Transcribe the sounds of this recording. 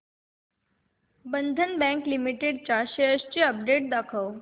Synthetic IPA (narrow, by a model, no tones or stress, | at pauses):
bə̃nd̪ʱənbɛ̃ŋklimiʈeɖt͡ɕaɕejəst͡ɕiəp̚ɖeʈ̚d̪akʰəw